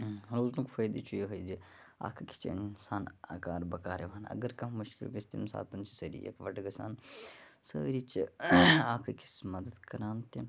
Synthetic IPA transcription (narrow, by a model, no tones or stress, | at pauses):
ɾoːznukfɐjd̪it͡ʃʰujeɦɐjd͡ʒi | a̰ːkʰɐki̥t͡ʃʰḭḭnsaːna̰ːkaːɾbɐkaːɾeʋaːnɐ̰ɡɐɾkɐmmʊʃkḭlkʲist̪imsa̰ːt̪ɐnt͡ʃʰi̥sɐɾḭjɐ̰kʰʋɐʈɡɐsa̰ːnsə̰ːɾit͡ʃʰiaːkʰɐkʰi̥smɐd̪əd̪kɐɾaːnt̪ʰi